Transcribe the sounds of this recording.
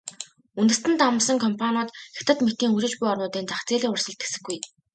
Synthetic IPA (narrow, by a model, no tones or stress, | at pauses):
unt̪ɘ̆st̪ɘ̆nt̪am̆sə̆ŋkʰɔmpʰanɔːt̪xʲḁt̪ə̆t̪met̪iːŋuɾɪ̆t͡ɕpujɔrnʊːt̪iːnt͡saχt͡seːɮʲiːŋʊrsə̆ɮt̪e̥sɘ̆xɡuj